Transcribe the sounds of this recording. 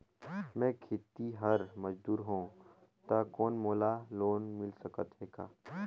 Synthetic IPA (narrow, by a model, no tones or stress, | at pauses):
mɛ̃ːkʰeːt̪iɦɐɾmɐd͡ʒd̪uːɾɦõː | t̪akɔːnmoːlaloːnmɪlsɐkət̪ɦeːɡa̰ː